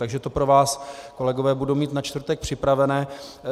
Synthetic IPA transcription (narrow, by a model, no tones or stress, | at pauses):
t̪aɡʒɛt̪o̞pɾo̞vaːsko̞lɛɡovɛːbudomiːt̪nat͡ʃt̪vr̩t̪ɛk̚pr̝̥ɪpɾavɛnɛː